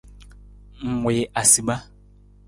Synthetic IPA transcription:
ŋ̩˨mɔ˨jɛ˨ʔa˨si˨ba˦

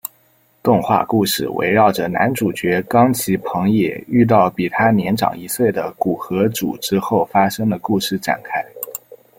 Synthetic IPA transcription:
t̪ʊ˥˧ŋxwa̰˥˧ku˥˧ʂɻ̩˥˩wḛ˧˥ɪɻɑ˥˩ʊʈ͡ʂə˩na̰˧˥nʈ͡ʂu˨˩t͡ɕɥɛ˧˥kɑ˥ŋt͡ɕʰi˧˥pʰɤ˧˥ŋjɛ̰˨˩y˥˧t̪̬ɑ˥˩ʊpi˨˩t̪ʰa˥njɛ˧˥nʈ͡ʂɑ̰˨˩ŋi˧˥swe˥˩ɪd̪ə˩ku˨˩xɤ˧˥ʈ͡ʂṵ˨˩ʈ͡ʂɻ̩˥xo˥˩ʊfa˥ʂɤ˥ŋd̪ə˨ku˥˧ʂɻ̩˥˩ʈ͡ʂa̰˨˩nkʰa˥ɪ

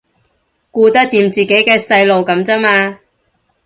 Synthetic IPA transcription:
kuː˧t̪ɐ˥k̚t̪iː˨˥mt͡siː˨ke˨˥jkɛː˧sɐ˧jlo˨wkɐ˨˥mt͡sɐ˥maː˧

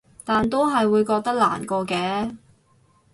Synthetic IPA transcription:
t̪aː˨nt̪̬o˥wɦɐ˨jwuː˨˧jkɔː˧k̚t̪ɐ˥k̚la̰ː˨˩nkɔː˧kɛː˧˥

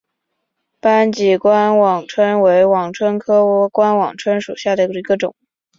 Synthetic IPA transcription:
pa˥nt͡ɕi˨˩kwa˥nwɑ˨˩ŋʈ͡ʂʰwə˥nwe˧˥ɪwɑ˨˩ŋʈ͡ʂʰwə˥nkʰɤ˥wɔ˧˥kwa˥nwɑ̰˨˩ŋʈ͡ʂʰwə˥nʂu˨˩ɕja˥˩d̪ə˩i˧˥ɡə˧ʈ͡ʂʊ̰˨˩˦ŋ

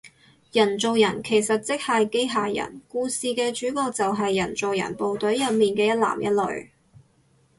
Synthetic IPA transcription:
jɐ˨˩nt͡so˨wjɐ˨˩nkʰe˨˩jsɐ˨t̚t͡sɪ˥k̚hɐ˨jke˥jɦaː˨jɐ̰˨˩nkuː˧siː˨kɛː˧t͡ʃyː˨˥kɔː˧t͡sɐ˨wɦɐ˨jːɐ˨˩nt͡so˨wjɐ̰˨˩npo˨wt̪ɵ˨˥ɥjɐ˨t̚miː˨nkɛː˧jɐ˥t̚la̰ː˨˩mjɐ˥t̚lɵ̰˨ɥ

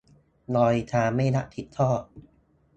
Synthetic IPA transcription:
lɔː˧jt̪ʰaː˧mːa˥˩jna˦˥ʔt̪ʰi˨˩t̪ʰːɔː˥˩t̚

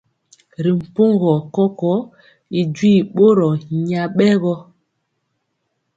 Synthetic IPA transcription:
ɾi˨m̩˨po˦ŋɡɔ˨kɔ˦kɔ˨˦ | i˨d͡ʒwi˦˨ɓo˦ɾɔ˨ɲa˨ɓɛ˦ɣɔ˦

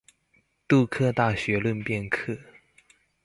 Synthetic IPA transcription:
t̪u˥˧kʰɤ˥˧t̪a˥˩ɕɥɛ˧˥lwə˥˧npjɛ˥˧nkʰɤ˥˩

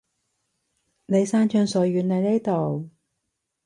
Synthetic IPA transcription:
ne˨˧jsaː˥nt͡ʃœː˧ŋsɔː˨˥ɥyː˨˥nnɐ˨˧jne˥jt̪o˨w

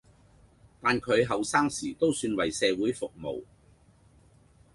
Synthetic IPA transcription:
t̪aː˨nkʰɵ˨˧ɥɦɐ˨wsaː˥ŋsiː˨˩t̪o˥wsyː˧nwɐ˨˩jsɛː˨˧wuː˨˥jfʊ˨k̚mo̰˨˩w

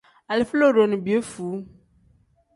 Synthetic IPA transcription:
a˨lflo˦˨ɖo˨nũ˨bi˨e˦fu˨˦

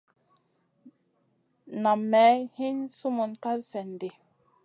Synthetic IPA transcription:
na˨mːɛ˨˦hi˦nsu˦mu˨nka˦ɾsɛ˨nde˨

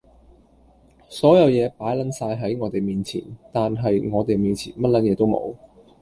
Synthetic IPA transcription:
sɔː˨˥jɐ˨˧wjɛː˨˧paː˨˥jlɐ˨˥nsaː˧jɦɐ˨˥jŋɔː˨˧t̪e˨jmiː˨nt͡sʰḭː˨˩nt̪aː˨nɦɐ˨jŋɔː˨˧t̪e˨jmiː˨nt͡sʰḭː˨˩nmɐ˥t̚lɐ˨˥njɛː˨˧t̪o˥wmo̰˨˧w

